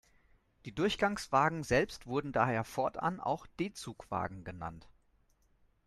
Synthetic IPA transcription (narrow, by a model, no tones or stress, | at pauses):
d̥iːdʊɐçɡ̥aŋsv̥aːɡŋ̩zɛlpstv̥ʊɐdn̩daːheːɐfɔɐtʔa̰nʔa̰ʊxd̥eːt͡suːkv̥a̰ːɡŋ̩ɡəna̰nt